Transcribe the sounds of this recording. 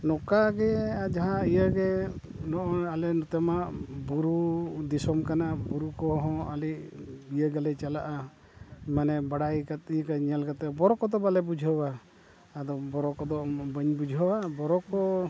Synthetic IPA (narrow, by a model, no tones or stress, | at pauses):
nɔkaɡɛad͡ʒaɦãijəɡɛ | nɔʔɔalɛnɔt̪ɛmabuɾud̪isɔmkanabuɾukɔɦɔ̃aliʔ̚bijəɡalɛt͡ʃalaʔa | manɛbaɽajkat̪̚ijəkəɲalkat̪ɛbɔɾɔkɔd̪ɔbalɛbud͡ʒʱəwaː | d̪ɔbɔɾɔkɔd̪ɔbəɲbud͡ʒʱɦəwabɔɾɔkɔ